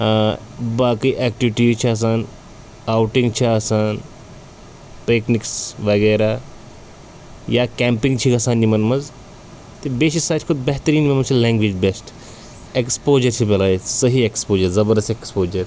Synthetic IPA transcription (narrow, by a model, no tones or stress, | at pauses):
baːkiːʔɛːkʈiʋiʈiːzt͡ʃʰiɐs̬aːn | aːwʈiŋɡt͡ʃʰiasaːn | pekniksʋɐɡeːɾaː | jaːkɛːmpiŋɡt͡ʃʰikɐsaːnjimɐnmɐz | t̪ebeʃisaːt͡ʃʰkʰud̪bɐɦt̪əɾiːnmenmɐt͡ʃʰilɛ̃ːŋɡʋiːd͡ʒbesʈ | ekspoːd͡ʒɐɾt͡ʃʰipelaːjisəɦiekspoːd͡ʒɐɾzɐbɐɾd̪ɐstʈekspoːd͡ʒɐɾ